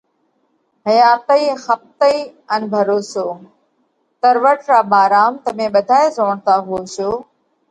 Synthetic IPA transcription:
ɦəjaːt̪əiːxəp̚t̪əiː | ənbʱəɾoːsoː | t̪əɾʋəʈɾaːbaːɾaːmt̪əmẽːɓəd̪ʱaːeːzoːɳt̪aːɦʊoːʃoː

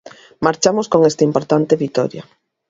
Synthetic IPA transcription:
maɾt͡ʃamoskoŋest̪aimpoɾt̪ant̪eβit̪ɔ̰ɾja

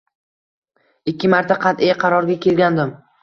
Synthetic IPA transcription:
ɪkʲːɪmaɾt̪ʰaqʰɑt̪ejqʰɑɾɒɾɡʲakʲe̞lɡʲand̪ɪm

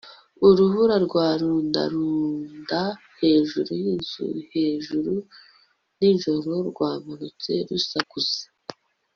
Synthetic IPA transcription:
uɾuhuɾaɾɡwaːɾuːnda̰ɾuːnda | he̞ːʒuɾujinzṵhe̞ːʒuɾu | ninʒo̞ɾo̞ɾɡwaːmanut͡se̞̰ɾusakusḁ

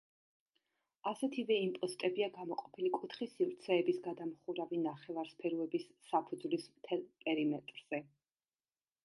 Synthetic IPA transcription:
asɛt̪ʰivɛimpʼɔst̪ʼɛbiaɡamɔqʼɔ̥pʰilikʼut̪ʰχisivɾt̪sʰɛːbisɡad̪amχuɾavinaχɛvaɾspʰɛɾuɛbisːapʰud̪zvlismt̪ʰɛlˠpʼɛɾimɛt̪ʼɾz̥ɛ

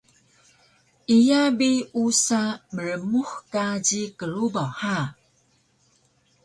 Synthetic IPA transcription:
ijabiusaməɾəmuxkad͡ʑikəɾubawha

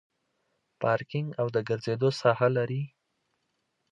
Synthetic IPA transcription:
pɑɾkɪŋɡawd̪əɡəɾzed̪osɑhalaɾi

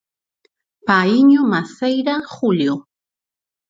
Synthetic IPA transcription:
paiɲʊmasejɾaχʊʎjo

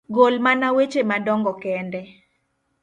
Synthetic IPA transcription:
ɡolmanawet͡ʃemadɔŋɡɔkɛndɛ

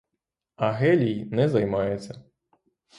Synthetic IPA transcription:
ɐɣɛlʲijnɛzajmajɛt̪sːɐ

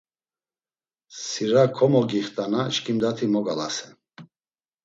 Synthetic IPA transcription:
siɾakʰɔmɔɡiχt̪ʼanaʃkʰʼimd̪at̪ʰimɔɡalasɛ

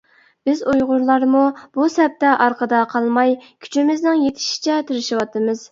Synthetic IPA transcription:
b̥ɪzujʁʊɾlˠɑɾmub̥usɛp̚t̪ɛʔɑɾqʰəd̪ɑqʰɑlˠmɑjkʲʰy̥t͡ʃʰimɪznɪŋjet̪ʰɪ̥ʃi̥t͡ʃʰɛt̪ʰɪɾɪʃɪwɑt̪ɨmɨz̥

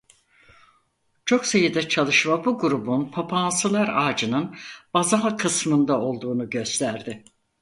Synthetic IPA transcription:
t͡ʃʰo̞ksajɯd̪ɛt͡ʃʰalˠɯʃmabuɡuɾubunpʰapʰansɯlˠaɾaːd͡ʒɯnɯnbazaɦkʰɯsmɯnd̪ao̞lˠd̪uːnuɟø̞st̪ʰæɾd̪ɪ

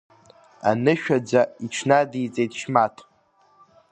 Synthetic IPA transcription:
a̰nɨʃᶣad͡zaiʈ͡ʂʷʰnadijt͡sʼejt̚ʼʃmatʰʼ

